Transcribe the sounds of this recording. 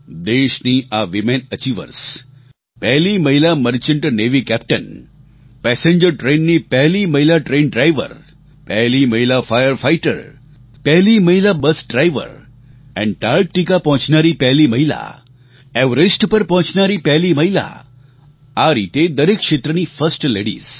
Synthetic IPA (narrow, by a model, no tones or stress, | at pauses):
d̪eʃniʔaʋimenət͡ʃiʋə̰ɾs | pɛɦliməɦilaməɾt͡ʃɪɳʈneʋikɛp̚ʈən | pɛsẽɲd͡ʒəɾʈɾẽnːipɛɦliməɦilaʈɾenɖɾajʋə̰ɾ | pɛɦliməɦilafajəɾfajʈə̰ɾ | pɛɦliməɦilabəsɖɾajʋə̰ɾ | ɛ̰̃ɳɖʈaɾk̚ʈikapɔ̃ɦʊ̃t͡ʃnaɾipɛɦliməɦila̰ | ɛʋɾesʈpəɾpɔ̃ɦt͡ʃnaɾipɛɦlimɐɦila̰ | aɾit̪ed̪əɾekʃet̪ɾənifəsʈleɽḭːs